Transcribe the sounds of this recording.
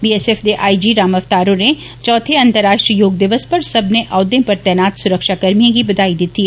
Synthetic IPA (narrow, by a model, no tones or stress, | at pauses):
biːeseːfd̪eʔaːid͡ʒiɾaːmɐʋt̪aːɾõne | t͡ʃɔːt̪ʰeɐ̃nt̪əɾːaːʃʈɾiəjoːɡ̚d̪ɪʋəspɐɾsɐbʱneʔaːd̪ẽpɐɾt̪ɛːnaːt̪sʊɾəkʃakɐɾmijẽkibɐd̪aːid̪ɪt̪i